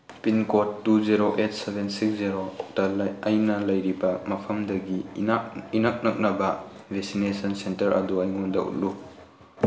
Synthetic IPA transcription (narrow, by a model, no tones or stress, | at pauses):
pinkotːuziɾoʔet̚ʰsebʱensiksziɾotɐɐjnɐlɐjɾibɐmɐpʰɐmdɐɡi | inɐk̚nɐk̚nɐbɐ | bʱeksinesɐnsentɐɾʔɐ̰duɐjŋɔndɐ̰ṵt̚lu